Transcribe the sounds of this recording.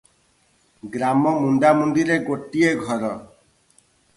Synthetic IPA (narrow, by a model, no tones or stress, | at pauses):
ɡɾamɔmuɳɖamund̪iɾeɡoʈieɡʱɔɾɔ